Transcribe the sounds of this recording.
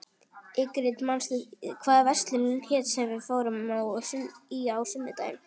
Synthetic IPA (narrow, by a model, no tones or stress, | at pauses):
ɪkʏɾɪt̪manst̪ʏkʰvaːðvɛst̪lɪnʏmçɛːt̪sɛmvɪðfoːwɾamawsʏiawsʏmːɪt̪a̰jɪ̰m